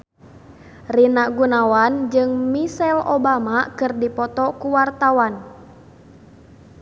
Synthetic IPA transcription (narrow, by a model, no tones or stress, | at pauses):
rinaʔɡunawand͡ʒɨŋmisɛlo̰bamakɨrdipɔt̪ɔkuwart̪awan